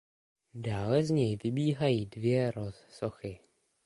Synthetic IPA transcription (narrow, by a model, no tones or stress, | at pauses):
daːlɛzɲɛjvɪbiːɦajiːdvjɛɾossoxɪ